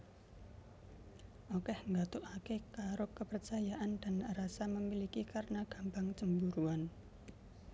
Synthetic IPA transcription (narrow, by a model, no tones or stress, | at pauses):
ʔokɛhŋɡat̪ʊʔakekaɾʊkəpərt͡ʃajaʔand̥anrasaməmilikikarənaɡ̥a̤mbaŋt͡ʃəmbuɾuan